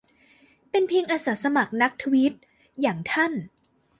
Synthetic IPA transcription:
pe˧npʰi˧ŋʔa˧sa˩˦sa˧ma˨˩k̚na˦˥k̚t̪ʰwi˦˥t̪̚ | jaː˨˩ŋt̪ʰa˥˩n

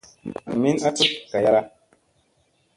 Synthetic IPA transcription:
a˨mi˦na˦tu˦p̚ka˨ja˦ɾa˦

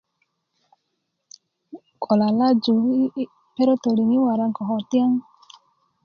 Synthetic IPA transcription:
kʰɔ˨la˨la˦d͡ʒu˨˦ | pe˦ɾo˦to˨ɾi˨ŋi˦wa˨ɾa˧ŋ̩˨kɔ˨ɦɔ˨ti˦a˦ŋ˦

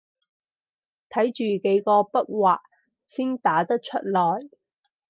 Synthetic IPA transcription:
t̪ʰɐ˨˥jt͡ʃyː˨ke˨˦jkɔː˧pɐ˥t̚waː˨k̚ | siː˥nt̪aː˨˥t̪ɐ˥k̚t͡ʃʰɵ˥t̚lɔː˨˩j

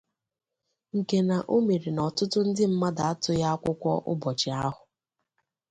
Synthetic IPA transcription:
ŋ̩˨ke˨na˨ʔo˦me˨ɾi˨nɔ˨tʊ˦tʊ˦n̩˦dɪ˦m̩˦ma˦da˨a˦tʊ˦ja˦a˦kʷʊ˦kʷɔ˦ʔʊ̰˦bɔ˨t͡ʃɪ˨a˦ɦʊ˨

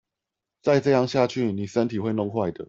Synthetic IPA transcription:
t͡sa˥˧ɪʈ͡ʂɤ˥˧jɑ˥˧ŋɕja˥˧t͡ɕʰy˥˨ni˨˩ʂə˦nt̪ʰi˨˩xwe˥˧ɪnʊ˥˧ŋxwa˥˩ɪd̪ə˩

